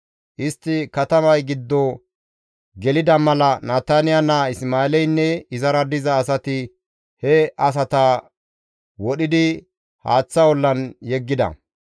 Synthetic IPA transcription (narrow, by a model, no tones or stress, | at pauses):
ʔɪst̪ːɪkɐt̪ɐmɐjɡɪd̪ːɔ | ɡɛlɪd̪ɐmɐlɐnaːt̪ːanɪjanɐɪsmaːɛlɛjnːɛɪzɐɾɐd̪ɪzɐːsɐt̪ɪ | hɛɐs̬ɐt̪ɐ | wɔɗɪd̪ɪ | ha̰ːt͡sːɐwɔlːɐnjɛɡːɪd̪ɐ̰